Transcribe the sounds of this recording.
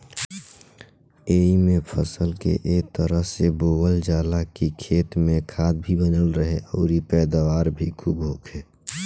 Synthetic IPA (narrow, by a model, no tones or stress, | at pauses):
eːimẽpʰəsəlkḛʔeːk̚t̪əɾəɦseboːwəld͡ʒaːlakikʰeːt̪mẽkʰaːd̪̚bʱibənəlɾəɦeɔːɾipɛːd̪aʋaːɾbʱikʰuːbɦoːkʰeː